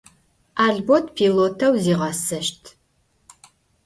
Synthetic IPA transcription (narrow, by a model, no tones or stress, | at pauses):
aːɮbotʰpʰiloːtʰɐwziːʁɐsɐʃtʰ